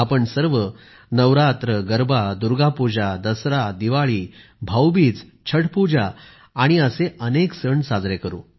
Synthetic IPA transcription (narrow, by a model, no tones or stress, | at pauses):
apəɳsəɾʋə | nəʋɾat̪ɾəɡəɾbʱad̪uɾɡapud͡ʑad̪əsɾad̪iʋaɭiːbʱawbiːt͡st͡ɕʰəɽpud͡ʑaː | ɽ̃iəseʔəneksəɳsad͡zɾekəɾṵː